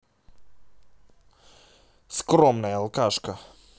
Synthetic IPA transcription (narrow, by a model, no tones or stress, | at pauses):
skɾɔmnaalˠkaʃka